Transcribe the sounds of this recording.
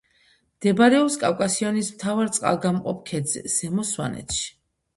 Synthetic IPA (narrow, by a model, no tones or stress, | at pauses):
md̪̥ɛbaɾɛɔpskʼawkʼasianismt̪ʰavaɾt̪sʼqʼa̰lˠɡamqʼɔp̚ʰkʰɛd̪zɛ̰z̥ɛmɔswa̰nɛ̰t̪ʰʃi̥